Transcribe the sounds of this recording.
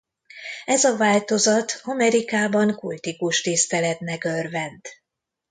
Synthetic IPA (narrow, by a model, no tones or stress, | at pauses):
ɛzɒvaːlt̪o̞zɒt̪ɒmɛɾikaːbɒŋkult̪ikuʃt̪ist̪ɛlɛt̪nɛkørvɛnt̪